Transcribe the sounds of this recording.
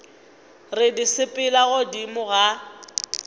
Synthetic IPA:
rɪdisɪpʼɪlaɣʊdimʊɣa

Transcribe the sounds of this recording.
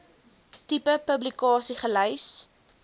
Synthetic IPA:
tipəpəblikɑːsiχələjs

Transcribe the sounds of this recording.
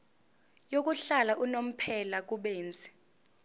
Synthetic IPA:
jok̬uɬalaʔunom̩pʰɛlak̬uɓeːnd͡zʱɛ̥

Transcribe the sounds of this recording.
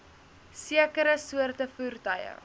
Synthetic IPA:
siəkəɾəsuərtəfuːrtɐjə̰

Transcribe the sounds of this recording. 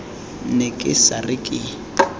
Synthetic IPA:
nekʼɪsarɪkʼɪ

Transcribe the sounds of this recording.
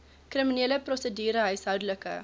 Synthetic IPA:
kriminiːləprɔsədyːɾəɦœɥsɦœwdələkə̰

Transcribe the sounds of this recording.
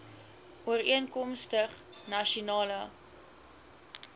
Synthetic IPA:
ʔuəɾiənkɔmstəχnɐʃunɑːlə

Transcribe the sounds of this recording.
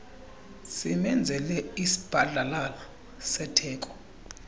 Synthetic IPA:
simɛnd͡zʱɛlɛisi̥b̥ʱaɮʱalala | sɛtʰɛːkʼɔ̥

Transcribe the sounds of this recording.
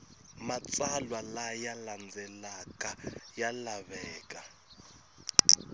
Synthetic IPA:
mat͡sʼalwalajaland͡zɛlakʼajalaβɛːkʼa

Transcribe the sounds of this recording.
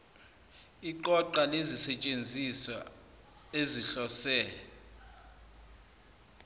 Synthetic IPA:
iǃɔǃalezisɛt͡ʃʼend͡zʱisa̰ | eziɬɔsɛ

